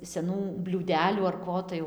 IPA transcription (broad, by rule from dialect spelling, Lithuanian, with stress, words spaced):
sʲɛˈnuː bʲlʲuːˈdʲæːlʲuː ɐr ˈkoː tɐɪ ˈjɛʊ